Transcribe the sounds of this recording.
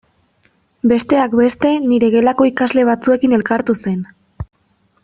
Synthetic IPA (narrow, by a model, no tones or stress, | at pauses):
be̞st̪e̞akbe̞st̪e̞niɾe̞ɣe̞lako̞ikazle̞β̞at͡sue̞kine̞lkaɾt̪use̞n